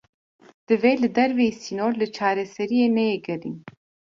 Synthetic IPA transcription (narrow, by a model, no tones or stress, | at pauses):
d̪̥ɨveːlɨd̪ɛɾvesinoːɾlɨt͡ʃʰɑːɾɛsɛɾijeːnɛjeɡɨɾḭn